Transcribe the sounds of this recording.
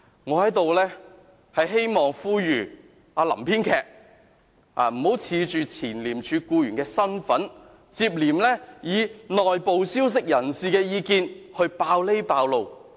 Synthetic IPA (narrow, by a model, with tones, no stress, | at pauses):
ŋɔː˨˧hɐ˨˥jt̪o˨wlɛː˥ | hɐ˨jɦe˥jmɔː˨ŋfuː˥jyː˨˩ | aː˧lɐ̰˨˩mpʰiː˥nkʰɛː˨˧k̚ | a̰ː˧m̩˨˩ho˨˥wt͡sʰiː˨˧t͡ʃyː˨t͡sʰiː˨˩nliː˨˩mt͡ʃʰyː˨˧kuː˧jyː˨˩nkɛː˧sɐ˥nfɐ˨˥n | t͡siː˧p̚liː˨˩mlɛː˥jiː˨˧nɔː˨jpo˨wsiː˥ws̬ɪ˨k̚jɐ˨˩nsiː˨˧kɛː˧jiː˨˧kiː˧nhɵ˧ɥpaː˧wle˥jpaː˧wlo˨w